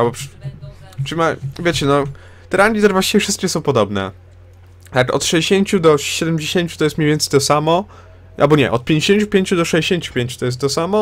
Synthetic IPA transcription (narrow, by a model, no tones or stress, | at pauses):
albɔpʂ | ʂɨmavʲjet͡ɕɛnɔ | t̪ɛɾanʲd̪ʲizɛɾvwaɕt͡ɕivʲefʂɘst̪̚kʲɛsɔ̃w̃pɔd̪ɔbnɛ̰ | t̪akɔ̰t̪ʂɛjd͡ʑeɕeɲt͡ɕud̪ɔɕɛd̪ɛmd͡ʑeɕeɲt͡ɕut̪ɔjɛst̪mɲejvʲɛnt̪sɛjt̪ɔsamɔ | ʔalbɔɲɛ̰ʔɔt̪̚pʲẽɲd͡ʑeɕeɲt͡ɕupʲjeɲt͡ɕud̪ɔʂɛjd͡ʑeɕeɲt͡ɕu̥pʲẽɲt͡ɕu̥t̪ɔjɛs̬t̪t̪ɔsamɔ